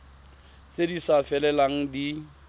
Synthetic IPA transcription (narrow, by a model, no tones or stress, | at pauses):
sedisafɛlɛlaŋ̩di